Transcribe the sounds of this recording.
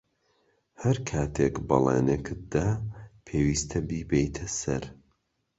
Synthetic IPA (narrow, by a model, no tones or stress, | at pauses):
hɐɾkʰaːt̪ʰekbɐ̰lˠḛːnekʰɨt̪̚d̪aːpʰeːwiːst̪ʰɐbiːbejt̪ʰɐsɐ̰ɾ